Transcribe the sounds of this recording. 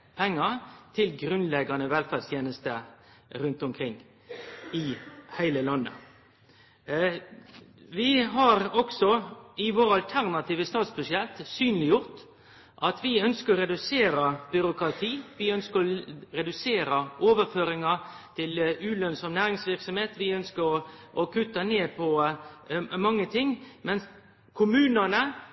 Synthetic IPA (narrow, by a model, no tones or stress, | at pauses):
pʰɛŋːət̪ʰɪlɡɾʉnlɛɡɑnəʋɛlfæd̪st̪ʰjeːnəst̪ə | ɾʉnt̪ʊmkʰɾɪŋː | ɪhæɪləlɑnːə̰ | ʋɪɦɑɾɔɡsɔɪʋoːɾɑlt̪ʰæʁnɑt̪ʰiːʋəst̪ɑːt̪sbʉsɪɛlt̪syːnlɪjʊʁt̪ | ʔɑt̪ʋɪœnskəɾɔɾɛd̪ʉseːɾəbʏɾʊkɾɑt̪ʰiːʋɪœnskəɾɔɾɛd̪ʉseːɾəʔoːʋəɾføːɾɪŋə | t̪ʰɪlʉːlœnsɔmnæːɾɪŋsʋɪʁksɔmheːt̪ʋɪœnskəɾɔʔɔkʰʉt̪ːəneːpʰɔ | mɑŋːət̪ʰɪŋːmɛns | kʰʊmʉːnənə